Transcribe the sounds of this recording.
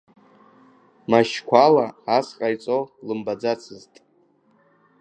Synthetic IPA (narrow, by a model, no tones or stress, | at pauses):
maʃkʷʰalaasqʼajt͡sʼolɨmbad͡zat͡sʰɨztʼ